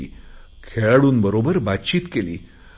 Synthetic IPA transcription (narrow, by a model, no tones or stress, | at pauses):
iːkʰeɭaɽuːnbəɾobəɾbat̪t͡ɕiːt̪kelḭː